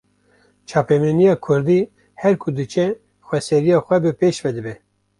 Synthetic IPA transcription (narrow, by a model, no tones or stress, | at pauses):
t͡ʃʰɑːpɛmɛnijɑːkʰʊɾd̪i | hɛɾkʰʊd̪ɨt͡ʃʰɛ | xʷwɛsɛɾijɑːxʷɛbɨpeːʃvɛd̪ɨbɛ